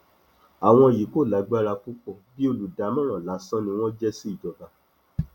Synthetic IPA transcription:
a˨w̃ɔ̃˧˨ji˨˦ko˦˨la˨˦ɡ͡ba˦ɾa˧ku˦k͡pɔ˦˨bi˦o˧˨lu˨da˨˦mɔ̃˦ɾ̃ɔ̃˨la˨˦sã˦nĩ˧w̃ɔ̃˦d͡ʒɛ˦si˦i˦˨d͡ʒɔ˨ba˧

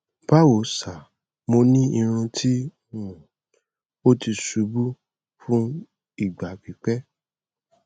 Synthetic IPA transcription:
ba˦wo˨˦sa˨ | mo˧nĩ˦i˧ɾ̃ũ˧tʰi˦ | nũ˨ | o˦ti˧su˨˦bu˦ | fũ˦ | i˦˨ɡ͡ba˨k͡pi˨˦k͡pɛ˦

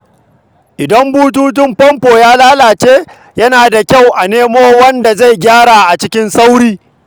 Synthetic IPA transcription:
ʔɪ˨dɐ˦mbuː˦t̬uː˦t̬ɪ˦mɸɐ˦mpoː˨jaː˦laː˦laː˨t͡ʃeː˦ | jɐ˦naː˨da˨kʲa˦˨wʔa˨neː˦moː˦wɐ˦nda˨za˦˨jɡʲaː˦ɽa˨ʔa˨t͡ʃɪ˦kʲɪ˦nsa˦wɽiː˦

